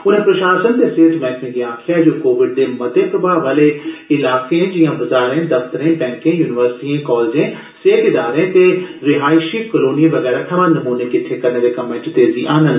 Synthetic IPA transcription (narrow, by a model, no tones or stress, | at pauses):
ʊnẽpɾɐʃaːsənt̪eseːʈ̪ʰmɛ̃ːkmẽɡɪjãːkʰead͡ʒoːkoːʋɪɖ̚d̪emɐd̪ʱepɾɐbʱaːʋaːleɪlaːkẽd͡ʒɪjãbɐzaːɾẽd̪ɐft̪əɾẽːpɛ̃ːŋkẽjuːnɪʋəɾsɪ̥ʈiẽkɔːld͡ʒẽː | seːkɪd̪aːɾẽt̪eɾɪɦaːjʃikəloːnijẽʋɐɣɛːɾat̪ʰɐmãːnɐmuːnekɪt̪ʰːekɐɾned̪ekɐmẽːʈt̪eːziʔaːnə̃n